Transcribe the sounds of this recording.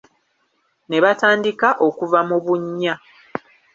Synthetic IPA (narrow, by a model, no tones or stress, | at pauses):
ne̞βataːndikaʔo̞kuvamuβuɲːa